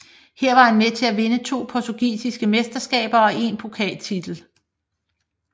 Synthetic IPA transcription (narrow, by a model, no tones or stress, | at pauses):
hɛɐ̰ʋɑ̈hænmet͡sʰe̝læʋe̝nət͡sʰo̝̰ːpʰɒt͡sʰoɡ̥ḭːsisɡ̥əmesd̥ɐsɡ̥ɛ̰ːb̥ɐɒ̽ʔe̝npʰo̝kʰɛ̰ːlt͡sʰid̥l̩